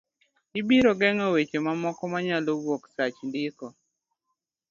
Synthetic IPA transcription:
ɪbiɾɔɡɛŋɔwet͡ʃemamɔkɔmaɲalowwoksat͡ʃndɪkɔ

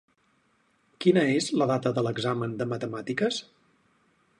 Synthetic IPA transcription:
kinəezləðat̪əðələɡzamənd̪əmət̪əmat̪ikəs

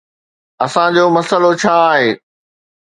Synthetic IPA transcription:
ɐsãd͡ʑoːmɐsəlot͡ɕʰaːɦeː

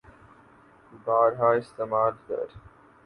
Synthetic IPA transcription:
baːɾɦaːɪst̪emaːld̪ə̰ɾ

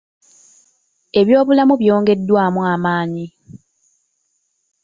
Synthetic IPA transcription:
e̞βjo̞ːβulamuβjo̞ːŋɡe̞dːwaːmuamaːɲi

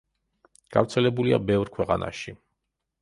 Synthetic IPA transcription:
ɡ̥a̰vɾt̪sʰɛlɛbulia̰bɛvɾkʰwɛqʼana̰ʃi

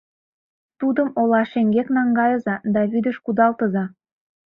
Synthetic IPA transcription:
t̪ud̪əmolɑʃeŋɡeknɑŋɡɑjɤ̆zɑd̪ɑβyd̪ə̆ʃkud̪ɑlt̪ɤ̆zɑ

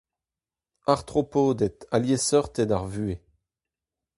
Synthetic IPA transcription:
aʁt̪χɔpod̪ɛt̪aljesɔʁt̪ed̪aʁvye

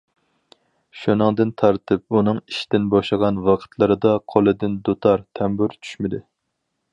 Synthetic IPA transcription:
ʃunɨŋd̪ɨnt̪ʰɑɾt̪ʰɨp̚unɨŋiʃd̪ɪnbɑʃlˠəʁɑnwɑqʰə̥t̪ʰlˠɨɾɨd̪ɑqʰolˠɨd̪ɪnd̪ot̪ʰɑɾt̪ʰɛmbʊɾt͡ʃʰy̥ʃmɪd̪ɪ

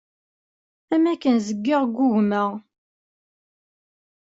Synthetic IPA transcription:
æmækːənzəɡːɪʁɡuʝməʁ

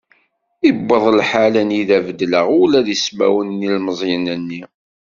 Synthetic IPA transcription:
ibːəðˤlħalæniðævəd̪ləʁulæðismæ̰wənːilməzˤjənənːi

